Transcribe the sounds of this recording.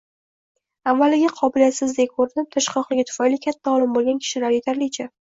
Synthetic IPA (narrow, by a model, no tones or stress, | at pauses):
avːalɪɡʲɪqʰɒbɪlijat̪sɪzd̪ek̚ʲkʰoɾɪd̪ɪp̚t̪ʰaʃqɒqlˠɪɡʲat̪ʰʊ̥fajlikʲʰat̪ʰːaɒlˠɪmbolˠɡʲankʲʰɪ̥ʃɪlaɾjet̪ʰaɾlɪt͡ʃʰa